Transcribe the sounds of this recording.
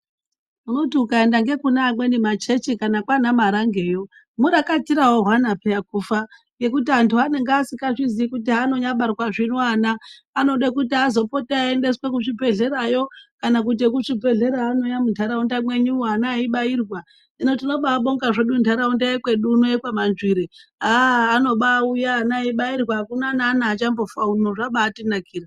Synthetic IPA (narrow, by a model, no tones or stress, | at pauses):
uno̞tiukaendaŋɡe̞kunamwe̞nimat͡ʃe̞t͡ʃikanakwanamaɾaŋɡe̞ːjo̞ | muɾakatiɾawo̞ɦwanapeakufaŋɡe̞kutiantʰuane̞ŋɡasikaʐiziikut̬iano̞ɲaɓarwaʐinoaːnaː | no̞ɗekutiazo̞po̞taaende̞swek̬uʂibe̞ɮe̞ɾajo̞kanak̬ut̬ek̬uʂibʱe̞ɮe̞ɾaːno̞jamuntʰaɾaundamwe̞ɲuanaːiɓairwa | inotino̞ɓaːɓo̞ŋɡaʐeɗuntʰaɾaundajekwe̞ɗuːnojekwamanʐiɾeɦaːno̞ɓaujaːnaiɓairwakunanaːnaːt͡ʃambo̞faunoʐaɓaːtinakiːɾa